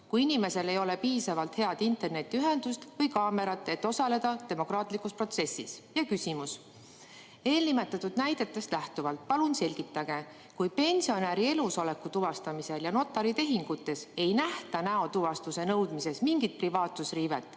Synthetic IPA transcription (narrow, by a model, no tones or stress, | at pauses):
kujinʲime̞se̞le̞jo̞le̞piːsɑvɑlt̪he̞ɑd̪̥int̪ˑe̞rne̞t̪ʲːˑiyɦe̞nd̪̥ust̪vɤjkɑːme̞ɾɑt̪ːˑe̞t̪ːˑo̞sɑle̞d̪̥ɑt̪e̞mo̞krɑːt̪ˑlikˑuspro̞t̪se̞sːisjɑkysʲimus | e̞ːlnime̞t̪ːˑɑt̪ːud̪̥næjd̪̥e̞t̪ːˑe̞st̪læht̪uvɑlt̪̚ˑpɑlunse̞lʲɡ̥it̪ːˑɑɡ̥e̞ | kujpe̞nʲsio̞næɾie̞luso̞le̞kːut̪uvɑst̪ɑmise̞ljɑno̞t̪ːˑɑɾit̪e̞ɦiŋɡ̥ut̪ːˑe̞se̞jnæht̪ɑnæo̞t̪uvɑst̪use̞nɤwd̪̥mise̞smiŋɡit̪̚privɑːt̪susriːvet̪ːˑ